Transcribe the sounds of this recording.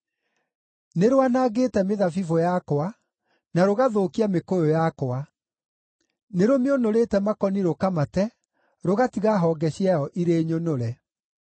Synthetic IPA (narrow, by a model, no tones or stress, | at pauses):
neɾowanaːɣeːtɛmeðafivojakoa | naɾoɣaðoːkiamekojojakoa | neɾomeonoɾetɛmakɔniɾokamatɛ | ɾoɣatiɣaɦɔɡɛɕiajɔʔiɾeːɲonoɾɛ